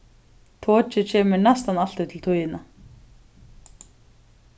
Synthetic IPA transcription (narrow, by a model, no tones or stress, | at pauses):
t̪ʰɔːt͡ɕt͡ʃɪt͡ɕʰɛːmɪɾnast̪anal̥t̪ɪt̪ʰɪlt̪ʰujɪna